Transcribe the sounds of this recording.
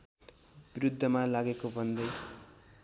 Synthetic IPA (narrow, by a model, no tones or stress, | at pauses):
biɾud̪ʱːʌmalaɡekobʱʌnd̪ʌj